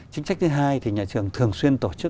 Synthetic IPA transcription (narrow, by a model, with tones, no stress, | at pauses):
t͡ɕï˨˦ŋ̟sa˦˥k̚t̪ʰɨ˨˦ɦaː˧jt̪ʰi˨˩ɲaː˨˩t͡ɕɨ˨˩əŋt̪ʰɨ˨˩əŋswi˧ənt̪o˧˩t͡ɕɨ˦˥